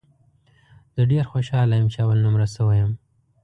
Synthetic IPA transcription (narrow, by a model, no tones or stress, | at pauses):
d̪̥əɖeɾxoʃɑlajəmt͡ʃeawalnumɾasəwajəm